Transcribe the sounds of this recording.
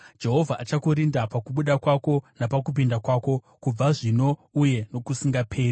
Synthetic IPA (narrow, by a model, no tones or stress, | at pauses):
d͡ʒe̞ɦo̞vʱaʔat͡ʃakuɾindapakuɓuɗakwako̞napak̬up̬indakwaːko̞ | kub͡vaʐino̞uje̞no̞kusiŋɡapʰe̞ːri